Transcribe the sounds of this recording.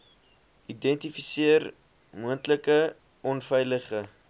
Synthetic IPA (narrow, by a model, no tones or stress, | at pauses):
ʔidɛntifisiər | muəntləkə | ɔnfɛjləχə